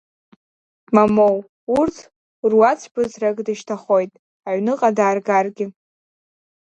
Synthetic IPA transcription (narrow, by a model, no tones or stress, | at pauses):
mamow | urtʰ | rwat͡sʷʰbɨzrakʼdɨʃtʰaχo̞jtʼ | aʕnɨqʼadaːrɡarɡʲɪ